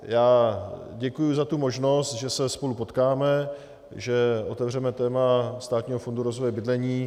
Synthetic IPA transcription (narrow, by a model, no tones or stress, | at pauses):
jaːɟɛkujuzat̪umo̞ʒno̞st̪ʒɛsɛspo̞lupo̞t̪kaːmɛ | ʒɛʔo̞t̪ɛvr̝ɛmɛt̪ɛːmast̪aːt̪ɲiːɦofo̞nduɾo̞zvojɛbɪdlɛɲiː